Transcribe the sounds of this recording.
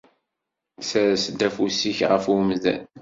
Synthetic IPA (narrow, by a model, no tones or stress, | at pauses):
sæɾæsd̪æfusiçʁəfumzæ̰n